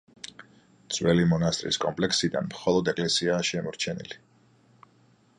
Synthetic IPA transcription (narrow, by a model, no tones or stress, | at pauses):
d̪z̥wɛlimɔnast̪ʼɾḭskʼɔmpʼlɛksid̪a̰nmχɔlˠɔd̪ɛkʼlɛsiaːʃɛmɔɾt͡ʃʰɛnḭli